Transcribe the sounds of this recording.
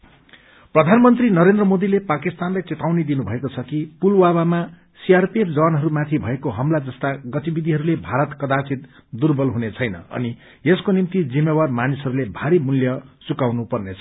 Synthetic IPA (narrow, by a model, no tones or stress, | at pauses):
prʌd̪ʱanmʌnt̪rinʌɾend̪rʌmod̪ilepakist̪anlajt͡set̪awnid̪inubʱʌekot͡sʰʌkipulwawama | siarpiepd͡zʌwanɦʌɾumat̪ʰibʱʌekoɦʌmlad͡zʌst̪aɡʌt̪ibid̪ʱiɦʌɾulebʱaɾʌt̪kʌd̪asit̪ | d̪urbʌlɦunet͡sʰʌjnʌ̰ʌ̰ni | eskonimt̪id͡zimːebarmanisɦʌɾulebʱaɾimuljʌsukawnupʌrnet͡sʰʌ̥